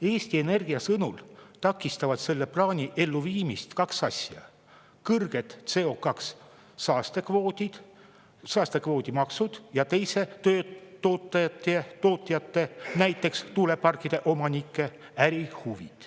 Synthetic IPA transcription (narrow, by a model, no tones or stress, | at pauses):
e̞ːsʲt̪iene̞rɡ̥iɑsɤnult̪ɑkːˑist̪ɑvɑd̪̥se̞lːe̞plɑːnʲiʔe̞lːuviːmist̪kɑksɑsʲjɑ̰ | kɤrɡ̥e̞t̪se̞o̞kɑksː | ɑːst̪e̞kvoːd̪id̪̥ | sɑːst̪e̞kvo̞ːd̪̥ʲimɑksud̪̥jɑt̪e̞jse̞t̪øːt̪oːt̪ˑːɑjɑt̪ˑːet̪o̞ːt̪ːˑɑjɑt̪ːe̞næjt̪ːˑe̞kst̪ulepɑrkːˑid̪̥e̞ʔomɑnikːˑe̞ | æɾihuvḭd̪̥